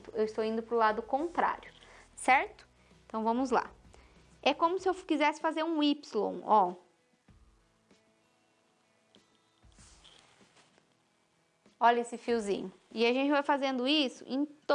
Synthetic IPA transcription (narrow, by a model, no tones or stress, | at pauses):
t̪ʊewɪst̪owĩnd̪ʊpɾʊlad̪ʊkõnt̪ɾa̰ɾjʊsɛɾt̪ʊ̥ | ẽnt̪ɐ̃w̃vɐ̃mʊzla̰ | ɛkõmʊsɪewkizɛsɪ̥fazeɾũipslõ̰w̃ɔ | ɔʎɐesɪfiwzḭ̃ɲʊ | ɪaʒẽnt͡ʃɪvajfazẽnd̪ʊisʊ̰ʔẽj̃t̪